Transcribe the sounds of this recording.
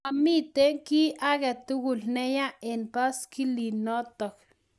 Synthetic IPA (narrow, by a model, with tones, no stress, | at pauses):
a˨mi˦t̪e˦ŋki˦aɣe˨t̪u˦ɡu˨lne˦ja˦enpa˦ski˦li˨no˦t̪o˨k̚